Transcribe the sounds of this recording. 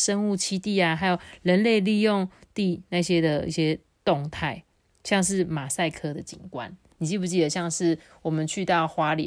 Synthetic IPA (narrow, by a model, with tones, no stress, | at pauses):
ʂə˦ŋu˥˨t͡ɕʰi˥t̪i˥˨a˨xa˧ɪjo˨˩ʊɻə˧˦nle˥˧ɪli˥˧jo˥˨ŋt̪i˥˧na˥˧ɕjɛ˦˥d̪ə˨ḭ˥˩ɕjɛ˦ | t̪o˥˨˧ŋt̪ʰa˥˩ɪ | ɕjɑ˥˧ŋʂ̬ɻ̩˥˩ma˨˩sa˥˨˩ɪkʰɤ˦d̪ə˨t͡ɕḭ˨˩ŋkwa̰˦n | ni˨˩t͡ɕi˥˧˩pu˨˩t͡ɕi˥d̪ə˨˩ɕjɑ˥˧ŋʂɻ̩˥˩ | wɔ˨˩mə˨nt͡ɕʰy˥˧t̪ɑ˥˩ʊxwa˦li˨˦